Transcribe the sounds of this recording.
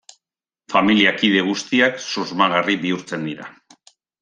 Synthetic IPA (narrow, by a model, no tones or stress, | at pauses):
familiakið̞e̞ɣ̞ust̪iaksozmaɣariβiuɾt͡se̞nd̪iɾa̰